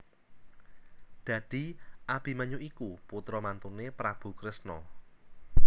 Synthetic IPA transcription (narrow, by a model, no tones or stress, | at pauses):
d̪̥ä̤d̪̥i̤ʔab̥iməɲuʔikuput̪ɾɔmant̪unepɾab̥ṳkɾɪsnɔ̰